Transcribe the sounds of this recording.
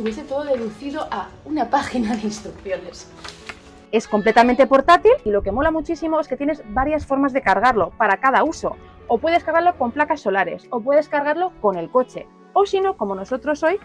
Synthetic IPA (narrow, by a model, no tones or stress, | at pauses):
uβjeset̪o̞ðoðeðuθiðo̞ʔaunapaxinaðeinst̪ɾukθjo̞ne̞s | e̞sko̞mple̞t̪amẽnt̪e̞po̞ɾt̪at̪ililo̞ke̞mo̞lamut͡ʃisimo̞e̞sket̪jene̞zbaɾjasfo̞ɾmazðe̞kaɾɣ̞aɾlo̞paɾakaðauso̞̰ː | pwe̞ðeskaɾɣaɾlo̞ko̞mplakasːo̞laɾe̞so̞pwe̞ð̞e̞skaɾɣaɾlo̞ko̞ne̞lko̞t͡ʃe̞̰ | o̞sino̞ko̞mo̞no̞so̞t̪ɾo̞so̞j